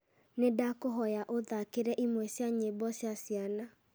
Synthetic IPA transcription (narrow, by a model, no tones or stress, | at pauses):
nedakoɦɔjaʔoðakeɾɛʔimwɛsjaɲebɔsjasijana